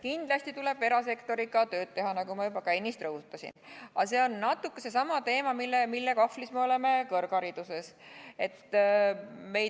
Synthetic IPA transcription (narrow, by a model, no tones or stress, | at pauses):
kind̪̥lɑsʲt̪it̪ule̞b̥e̞ɾɑse̞kt̪o̞ɾikɑt̪ø̞ːd̪̥̚t̪e̞ɦɑnɑɡumɑjubɑkæjnːist̪rɤɦut̪ːˑɑsʲḭnɑse̞o̞nːɑt̪ːˑukːese̞s̬ɑmɑt̪e̞ːmɑmilːemilːekɑflismeo̞le̞me̞kɤrɡ̥ɑɾid̪̥use̞se̞t̪ː | me̞j